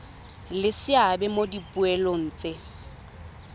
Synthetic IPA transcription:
lɪsɪabɛmodipʼuɛlon̩ːt͡sʼe

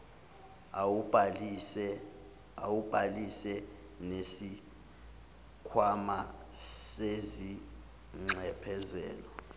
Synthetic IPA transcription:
ɛ | awub̥ʱalisɛ | nesi | kʰwamasezi | ŋ͡ǀʱɛpʰɛzɛ̰ːlɔ

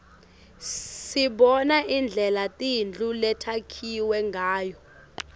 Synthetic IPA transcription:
siɓɔnaʔind͡ɮʱɛlatʼind͡ɮʱulɛtʰakʰiwɛŋɡʱaːjɔ

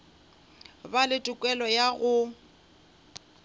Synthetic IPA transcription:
balɪtʼʊkʼwɛlɔjaɣʊ

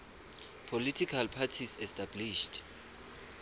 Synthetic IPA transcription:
pʰolitʰikʰalpʰatʰisɛstabliʃt

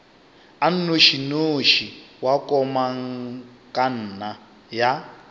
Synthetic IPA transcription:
an̩noʃinoʃiwakʼɔmaŋ | kʼan̩ːna | ja

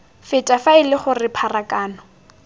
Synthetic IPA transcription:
fɪtʼafaɪlɪχʊrɪpʰarakʼaːnɔ

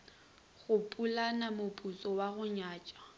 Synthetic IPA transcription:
ɣʊpʼulanamʊpʼut͡sʼɔwaɣʊɲaːt͡ʃʼa

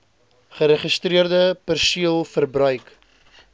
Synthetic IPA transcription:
χəɾɛχəstriərdəpərsiəlˠfərbrœɥk

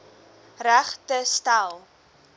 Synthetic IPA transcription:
ræχtəstælˠ

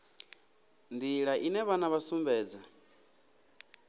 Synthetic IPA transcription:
nd̪iɺaʔinɛβanaβasumbɛːd͡za

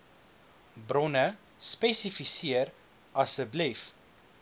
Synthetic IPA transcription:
brɔnə | spɛsifisiəɾ | ɐsəblɛf

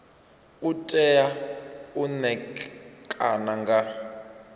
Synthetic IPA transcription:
utʼɛjaunɛkʼanaŋɡa

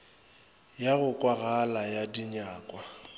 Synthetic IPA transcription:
jaɣʊkʼwaɣalajadiɲaːkʼwa

